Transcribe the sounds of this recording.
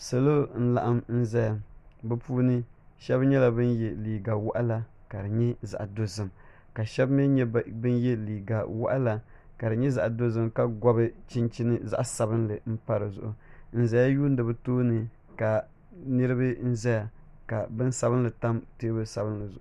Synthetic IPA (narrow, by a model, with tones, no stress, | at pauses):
sa˨lo˦n̩˦la̰˨ʔa˦mn̩˦zɛ˦ja˨bɨ˦puː˦nɨ˦ʃɛ˦bɲɛ˦la˨bɨ˦njɛ˨liː˨ɡa˨wʊ˦ʔa˦la˦ | ka˨dɨ˨ɲɛ˦za̰˨ʔa˨do˦zɨ˨m | ka˨ʃɛ˦bmɨ˦bɨ˦njɛ˦liː˨ɡa˨wa̰˦ʔa˦la˨ | ka˨dɨ˨ɲɛ˦za˨ʔa˨do˦zɨ˦mka˦ɡɔ˦bɨ˦t͡ʃɪ˦nt͡ʃi˦nɨ˦za̰˦ʔa˨sa˨bɨ˦nlɨ˨m̩˦pa˦ɾɨ˨zʊ̰˨ʔʊ˨n̩˦˨za˦ja˦juː˦n˦dɨ˨bɨ˦toː˦nɨ˨ | ka˨ | nɨ˦ɾɨ˦bɨ˦n̩˦zɛ˦ja˨ka˨bɨ˦n˦sa˨bɨ˦nlɨ˨ta˦mte˦bɨ˦sa˨bɨ˦n˦lɨ˨zʊ˨ʔʊ˦